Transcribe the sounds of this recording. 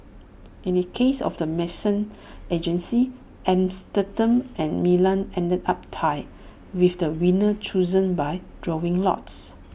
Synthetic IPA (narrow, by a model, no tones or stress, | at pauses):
ĩnəkʰesɔ̰fdəmɛsə̃n | ed͡ʒə̃nsi | ɛ̃mstətə̃mɛ̃nmilãnɛ̃ndədap̚tʰaɪ | wifdəwĩnət͡ʃuzə̃nbaɪd̥ɹɔɪ̃ŋlɔ̰ts